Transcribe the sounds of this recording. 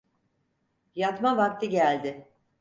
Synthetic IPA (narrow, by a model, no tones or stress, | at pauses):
jat̪mavak̚t̪ɯɟælʲd̪ɪ